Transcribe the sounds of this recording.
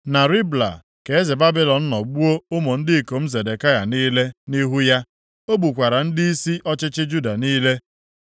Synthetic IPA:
na˨ɾi˦bla̰˨ | ke˨e˦ze˨ba˦bi˦lɔ˨n̩˦nɔ˨ɡ͡bu˦o˦ʊ˦mo˨n̩˦dɪ˦˨ko˨m̩˦ze˨de˨ka˦ja̰˨niː˦le˦ni˦ɦu˦ja˦ | o˦bu˨kʷa˨ɾa˨n̩˦dɪ˦i˦si˦ʔɔ˦t͡ʃɪ˦t͡ʃɪ˦d͡ʒu˦da˨niː˦le˦

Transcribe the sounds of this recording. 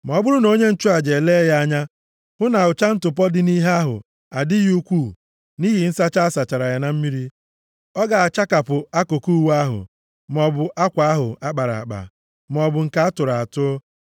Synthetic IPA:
m˨ɔ˨˦bʊ˦ɾʊ˦no˦ɲe˦n̩˦t͡ʃu˦a˨d͡ʒe˨le˦ja˦ɲa˦ | hʊ˦na˨ʊ˨t͡ʃa˦n̩˦tʊ˨p̬ɔ˦dɪ˦ni˦ɦe˦a˦ɦʊ̰˨ | a˨dɪ˦ju˦kʷu˦˨ | ni˦ɦi˨n̩˦sa˦t͡ʃa˦a˦sa˨t͡ʃa˨ɾa˨ja˨na˨m̩˦mi˦ɾi˦ | ɔ˦ɡa˨a˨t͡ʃa˦ka˨pʊ˨a˦ko˨ku˦˨wa˦ɦʊ̰˨ | m˨ɔ˨bʊ˨ʔa˦kʷa˨a˦ɦʊ̰˨a˦k͡pa˨ɾa̰˨a̰˨k͡pa̰˨ | m˨ɔ˨bʊ˨ŋ̩˨ka˦a˦tʊ˨ɾa˨a˨tʊ˦ɔ˦

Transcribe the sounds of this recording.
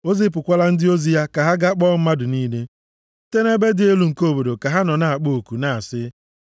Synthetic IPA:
o˦zi˦p̬ʊ˨kʷa˦la˦n̩˦dɪ˦o˦zi˦ja˦ka˨ɦa˦ɡa˦k͡pɔ˦m̩˦ma˦dʊ˨niː˦le˦ | te˦ne˦be˦dɪ˨e˦lu˨ŋ̩˨ko˦˨bo˨do˨ka˨ɦa˦nɔ˨na˨a˨k͡po˦˨o˨ku˨na˨sɪ˦

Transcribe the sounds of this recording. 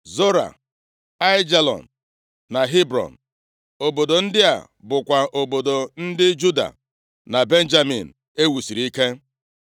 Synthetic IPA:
zo˦ɾa̰˨ | a˦ɪ˦d͡ʒa˦lɔ̰˨n̩˨ | na˨ɦi˦bɾɔ̰˨n̩˨ | o˨bo˨do˨n̩˦dɪ˦a̰˨ | bʊ˨kʷa˨ʔo˨bo˨do˨n̩˦dɪ˦d͡ʒu˦da̰˨ | na˨be˦n̩˦d͡ʒa˦mḭ˨n̩˨ | e˦wu˨si˨ɾi˦ke˦

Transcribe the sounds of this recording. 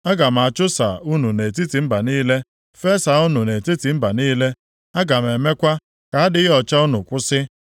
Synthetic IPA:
a˦ɡa˨m̩˨a˨t͡ʃʊ˦sa̰˨u˦nu˨ne˨ti˦ti˨m̩˦ba˨niː˦le˦ | fe˦sa˨u˦nu˨ne˨ti˦ti˨m̩˦ba˨niː˦le˦ | a˦ɡa˨m̩˨e˨me˦kʷa˦ | ka˨a˦dɪ˦ɔ˨t͡ʃa˦u˦nʊ˨kʷʊ˦sɪ˦

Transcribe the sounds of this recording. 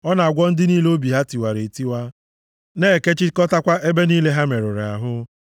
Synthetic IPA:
ɔ˦na˨a˨ɡʷɔ˦n̩˦dɪ˦niː˦leo˦bi˨ɦa˦ti˨wa˨ɾe˨ti˦wa˦ | ne˦˨ke˦t͡ʃɪ˦kɔ˦ta˦kʷa˦ʔe˦be˦niː˦le˦ɦa˦me˨ɾʊ˨ɾa̰˨ɦʊ˦

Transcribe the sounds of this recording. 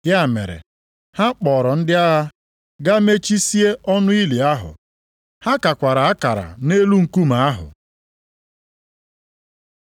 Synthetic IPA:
dja˦˨mḛ˨ɾḛ˨ | ha˦k͡pɔː˨ɾɔ˨n̩˦dɪ˦a˦ɣa˦ | ɡa˦me˦t͡ʃi˦si˦e˦ʔɔ˦nʊ˦i˦li˨a˦ɦʊ̰˨ | ha˦ka˨kʷa˨ɾa˨a˦ka˨ɾa̰˨ne˦lu˦ŋ̩˨ku˦ma˨a˦ɦʊ̰˨

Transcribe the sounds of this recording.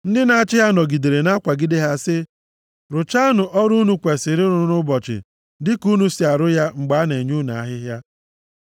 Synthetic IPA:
n̩˦dɪ˦na˦a˦t͡ʃɪ˦ɦa˦nɔ˨ɡi˨de˨ɾe˨na˦kʷa˨ɡɪ˦de˦ɦa˦sɪ˦ | ɾʊ˨t͡ʃa˦nʊ˨ʔɔ˦ɾu˦nu˦kʷe˨sɪ˨ɾɪ˦ɾʊ˨˦nʊ˦bɔ˨t͡ʃɪ̰˨ | dɪ˦ku˦nu˦si˦a˨ɾʊ˦ja˦ŋ͡m̩˨ɡ͡ba˦ne˨ɲu˦na˨a˨˦ɦɪ˦ɦja˦

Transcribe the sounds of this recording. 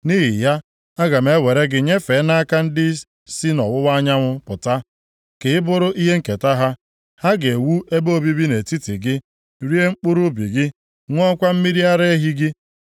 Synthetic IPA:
ni˦ɦi˨ja˦ | a˦ɡa˨me˦we˨ɾe˦ɡɪ˦ɲe˦fe˨˦na˦ka˦n̩˦dɪ˦ | si˦nɔ̰˨wʊ˦wa˦ɲa˦ŋʷʊ˦pʊ˨ta˦ | kɪ˨ɪ˦bʊ˦ɾʊ˦ʔi˦ɦe˦ŋ̩˦˨ke˨ta˦ɦa˦ | ha˦ɡe˨wu˦ʔe˦bo˦bi˦bi˦ne˨ti˦ti˨ɡɪ˦ | ɾi˦e˦ŋ͡m̩˦k͡pʊ˦ɾʊ˦bḭ˨ɡɪ˦ | ŋʷ˦ɔ˦kʷa˦m̩˦mi˦ɾi˦a˦ɾe˦ɦi˦ɡɪ˦

